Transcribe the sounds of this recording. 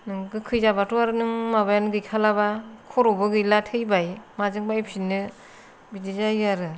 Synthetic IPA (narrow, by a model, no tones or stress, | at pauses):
nɯŋkɯkʰɯjzabatuaɾɯnɯŋmabajanɯɡɯjkʰalabakʰɔɾobɯɡɯjlatʰɯjbajmazɯŋbajpʰinːɯ | bidizajaɾɯ